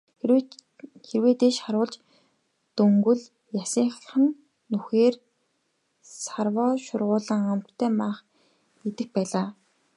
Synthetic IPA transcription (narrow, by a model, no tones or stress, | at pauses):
xerweːt̪eːʃχaɾʊːɮt͡ɕ | t̪ɵŋɡɵ̆ɮ | jasiːŋχ̆ɮχə̆n | nːuxeːr | sarwɔːʃʊrʁʊːɮə̆ŋamtt̪ʰːæːmaːχ | et̪ɘ̆x̚pæːɮaː